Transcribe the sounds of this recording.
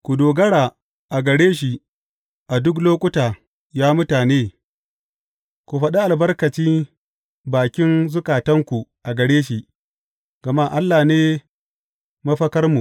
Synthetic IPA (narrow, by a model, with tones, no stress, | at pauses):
kʷu˨doː˨ɡɐ˦ɽaː˨ | ʔa˨ɡɐ˨ɽeː˦ʃ̬i˨ | ʔa˨dʊ˦k̬loː˦kʷʼʊ˦taː˨ | jaː˦mʊ˦taː˨neː˦ | ku˨ɸɐ˨ɗa˦ʔa˨lbɐ˦rkɐ˨t͡ʃiː˦ | baː˨kʲɪ˦nzʊ˦kaː˨tɐ˦ŋkʷu˨ʔa˨ɡɐ˨ɽeː˦ʃi˦˨ʔ | ɡ̥ɐ˨ma˦˨ʔa˦lːaː˨neː˦ | mɐ˦ɸɐ˦kɐ˦rmu˨